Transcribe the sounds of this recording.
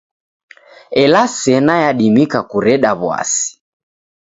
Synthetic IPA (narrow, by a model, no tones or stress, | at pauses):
ɛlasɛnajaɗimikakuɾɛɗaβwa̰si̥